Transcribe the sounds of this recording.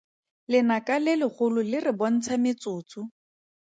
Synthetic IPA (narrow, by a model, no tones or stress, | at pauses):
lɪnakʼalɪlɪχʊlʊlɪrɪbɔn̩t͡sʰamɪt͡sʊːt͡sʊ